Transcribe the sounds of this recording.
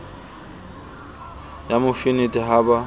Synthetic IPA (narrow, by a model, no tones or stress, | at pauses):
jamʊfɪnɪtʼɪɦaba